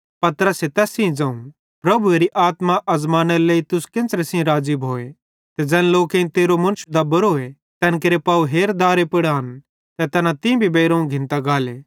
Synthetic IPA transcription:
pɐt̪ɾəset̪ɛːsĩd͡zɐ̃ːũ | pɾɐbueɾiʔaːt̪maʔɐzmaːnɐɾleːit̪ʊskɪ̃nt͡sɾɛsĩɾaːd͡ʒibɦoːe | t̪ɛd͡ʒɛːnloːkẽĩt̪eːɾomɐnʊʃd̪abɐɾoːe | t̪ɛːnk̬eɾepaːuɦeːɾd̪aːɾepɪɽaːn | t̪ɛt̪ɐnat̪ĩbʱibeːɾɐ̃ːũɡʱɪ̃nt̪aɡaːleː

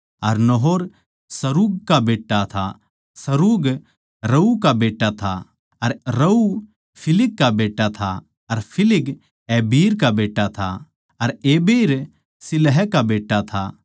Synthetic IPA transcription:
ɐɾnɔɦoːɾ | sɐɾuːɡ̚kabeːʈːat̪ʰa̰ | sɐɾuːɡ | ɾɐukabeːʈːat̪ʰa̰ | ɐɾɾɐu | pʰɪlɪkːabeːʈːat̪ʰa | ɐɾpʰɪlɪɡ | eːbiːɾkabeːʈːat̪ʰa̰ | ɐɾeːbiːɾ | sɪlɦɛkabeːʈːat̪ʰa̰

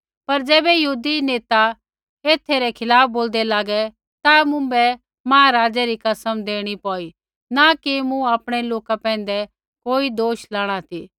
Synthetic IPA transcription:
pɐɾd͡ʒɛːbɛjɐɦuːd̪ineːt̪a | eːt̪ʰːeɾɛkʰɪlaːp̚ʰboːld̪ɛlaːɡɛ | t̪amʊ̃bɛ | maːaɾaːd͡ʒɛɾikɐsəmd̪eːɽ̃ipɔːi | nakimũaːpɽ̃ɛloːkapɛ̃ːn̆d̪ɛ | koːid̪oːʃlaːɽ̃at̪ʰiː

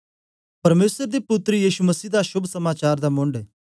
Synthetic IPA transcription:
pɐɾmeːsəɾd̪epʊt̪ːɾəjiːʃumɐsiːd̪aʃʊbʱsɐmaːt͡ʃaːɾd̪amʊ̃ɳɖ

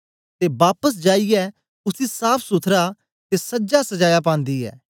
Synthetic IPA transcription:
t̪eːbaːpəs̬d͡ʒaːiːɛː | ʊsiːsaːpʰsʊt̪ʰɾaː | t̪eːsəd͡ʒaːsəd͡ʒaːjaːp̬ãːnd̪iːɛ̰ː

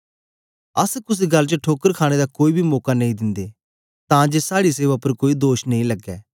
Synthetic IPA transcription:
əskʊs̬iːɡəlt͡ʃəʈʰoːkəɾkʰaːɽ̃ed̪aːkoːiːbʱiːmɔːkanəĩːd̪ɪnd̪eː | t̪ãːd͡ʒeːsaːɽiseːʋapəɾkoːid̪oːʃnəĩləɡːɛː

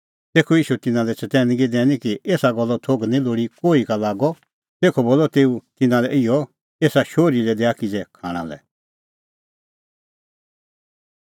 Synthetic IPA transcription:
t̪eːkʰojiːʃut̪ɪnãlɛt͡ʃɐt̪ɛːnɡid̪ɛ̃ːnĩkieːsaɡɔlːɔt̪ʰoːɡnĩloːɽikoːikalaːɡɔ | t̪eːkʰɔboːlːɔt̪eːut̪ɪnãlɛʔɪjɔ | eːsaʃoːɾilɛd̪eːakid͡ʒɛkʰaːɽ̃ã̰lɛ̰

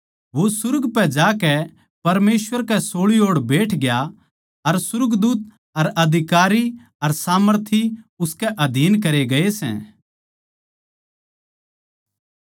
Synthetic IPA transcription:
ʋosʊɾɡpɛd͡ʒaːkɛ | pɐɾmeːsʋəɾkɛsoːɭioːɽbeːʈʰɡɪja | ɐɾsʊɾɡd̪uːt̪̚ | ɐɾɐd̪ʱɪkaːɾi | ɐɾsaːməɾt̪ʰiʊskɛʔɐd̪ʱiːnkɐɾeɡɐesɛ̰̃ː

